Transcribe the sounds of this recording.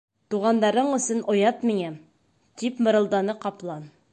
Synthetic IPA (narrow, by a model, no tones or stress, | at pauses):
t̪uʁɑnd̪ɑɾɤɴɵ̆sɘnʔŏjɑt̪miŋæm | t̪ipmɤ̆ɾɤ̆lˠd̪ɑnɤqɑplˠɑn